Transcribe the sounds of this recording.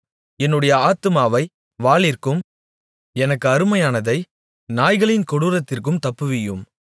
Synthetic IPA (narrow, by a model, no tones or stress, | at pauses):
ɛnːɯɽɐjɐaːt̪ɯmaːʋɐɪ | ʋaːɭɪrkɯm | ɛnɐkːɯɐɾɯmɐjaːnɐðɐɪ | naːjɣɐɭɪnkɔɽɯɾɐt̪ːɪrkɯmt̪ɐpːɯʋɪjɯm